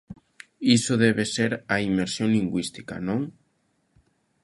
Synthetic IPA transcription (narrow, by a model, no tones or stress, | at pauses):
isoðɛβeseɾaimeɾsjoŋliŋɡwist̪i̥ka̰nõŋ